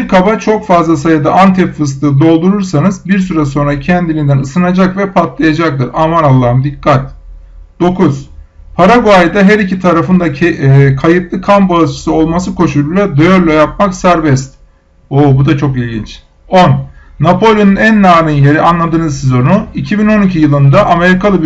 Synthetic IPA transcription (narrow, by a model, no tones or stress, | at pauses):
biɾkʰabat͡ʃʰo̞kfazlˠasajad̪aʔant̪ʰɛpfɯs̬t̪ɯd̪o̞lˠd̪uɾuɾsanɯzbiɾs̬yɾas̬o̞nɾacʰɛnd̪ilʲind̪ænɯsɯnad͡ʒakvɛpʰat̪lˠajad͡ʒak̚t̪ʰɯɾamanalˠːaːɯmd̪ikʰːat̪ | d̪̥o̞kʰuz̥ | pʰaɾaɡoajd̪aɦæɾicit̪ʰaɾafɯnd̪akʰajɯt̪lˠɯkʰambalˠɯt͡ʃʰɯ̥sɯo̞lˠmasɯkʰo̞ʃulʲˠulʲˠad̪ɯjoɾlʲˠajap̚maksæɾvɛst̪ | oːbud̪at͡ʃʰo̞kilʲɟḭnt͡ʃ | o̞nːapʰo̞lʲjonunænːaːɾinjeɾianlˠad̪ɯːnɯzsezo̞nuicʰibino̞nicʰijɯlˠɯnd̪aʔame̞ɾikalˠɯ